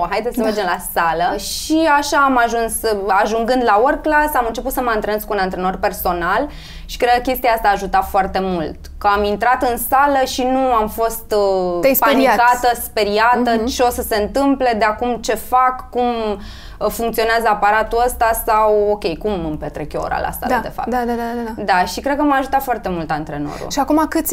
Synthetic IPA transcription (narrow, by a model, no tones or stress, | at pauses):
ɦajd̪esəme̞rd͡ʒemlasaləʃiaʃaːmaʒunsaʒuŋɡɨnd̪laworklasamɨnt͡ʃe̞put̪səməɨnt̪ɾeneskunant̪ɾeno̞rpe̞rso̞nal | ʃi̥kɾeəkʲe̞st̪ijaast̪aːʒut̪afoart̪e̞mult̪kəamint̪ɾat̪ɨnsaləʃinuamfo̞st̪spaanikat̪əspeɾiat̪ət͡ʃeo̞səse̞ɨnt̪ɨmple̞d̪eakumt͡ʃe̞fakːum | fuŋkt̪sio̞neazəapaɾat̪uəst̪asawo̞kʲe̞jkumɨmpet̪ɾekʲjooɾa̰la̰sa̰l̰d̪e̞̰fa̰pd̪ad̪ad̪aad̪aʃikɾed̪kəmaʒut̪at̪foart̪e̞mult̪ant̪ɾe̞no̰ɾṵʃiakumakɨt̪sʲ